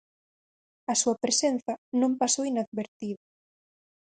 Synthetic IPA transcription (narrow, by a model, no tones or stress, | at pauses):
ɐsuɐpɾesenθɐnõmpasowinaðβeɾt̪iðɐ